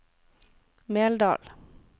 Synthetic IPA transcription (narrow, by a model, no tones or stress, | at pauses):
meːld̪ɑ̰ːl